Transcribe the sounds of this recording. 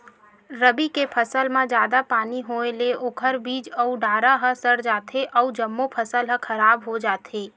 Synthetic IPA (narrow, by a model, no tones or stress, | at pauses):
ɾəbikepʰəsəlmãd͡ʒjaːd̪apaːniɦoːeleʔʊkʰəɾbiːd͡ʒɔuɖʱaːɾaɦə̃səɾd͡ʒaːt̪ʰeʔɔːʊd͡ʒəmːopʰəsəlɦə̃kʰɐɾaːbɦod͡ʒaːt̪ʰeː